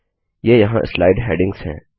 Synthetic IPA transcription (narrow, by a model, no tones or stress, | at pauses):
jejɐɦãʔɪ̰slaːɪɖɦɛːɖɪ̃ŋɡz̥ɦɛ̰̃ː